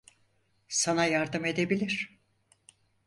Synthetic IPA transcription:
sanajaɾd̪ɯme̞d̪ebilʲiɾ̥

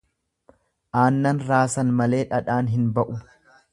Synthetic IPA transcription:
ʔaːnːɐnɾaːsɐnmɐle̞ːᶑɐᶑaːnɦɪnbɐʔʊ

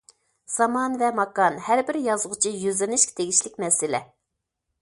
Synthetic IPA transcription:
sɑmɑnvɛmɑkɑnhæɾbɪɾjɑzʊʁʊt͡ʃʰijøzlɪnɪʃkʲt̪ʰeɡʲiʃlɪkʲmɛsɪlɛ̰

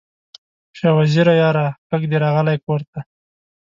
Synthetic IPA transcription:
ʃewaziɾajɑɾakəkd̪eɾɑɣəlajkoɾt̪a

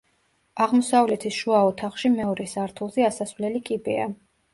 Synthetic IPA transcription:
aʁmɔsavlɛt̪ʰisʃuaɔt̪ʰaχʃimɛɔɾʔɛsaɾt̪ʰulˠzɛasasvlɛlikʼibɛa̰

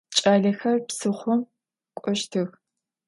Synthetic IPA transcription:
t͡ʃʼaːɮɐxɐrpsɨχʷʊm | kʷʼɔʃtʰɨx

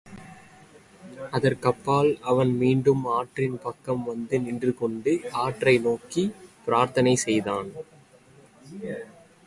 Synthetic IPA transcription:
ɐðɐɾkɐpːaːlɐʋɐnmiːɳɖɯmaːʈrɪnpɐkːɐmʋɐnd̪ɯnɪndrɯkɔɳɖɯaːʈrɐɪnoːkipɪɾaːɾt̪ɐnɐɪsɛjðaːn

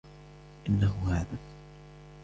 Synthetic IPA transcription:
ʔɪnːaɦʊhaːða

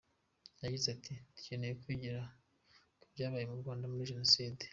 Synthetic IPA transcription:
jaɟizeatʰitu̥ce̞nejekwiɟiɾa | kubɟaːβajemuɾɡwaːndamuɾiʒeno̞siːde

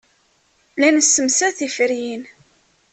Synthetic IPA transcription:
lænəsːəmsæθifəɾjin

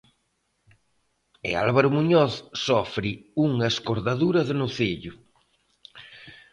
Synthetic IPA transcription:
ɪ̰a̰lβaɾʊmuɲɔθsɔfɾɪuŋaeskoɾðaðuɾɐzðɪnʊθeʎʊ

